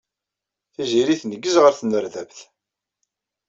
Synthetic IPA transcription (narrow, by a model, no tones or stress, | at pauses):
θiziɾiθnəɡːəzʁəɾθənəɾðævθ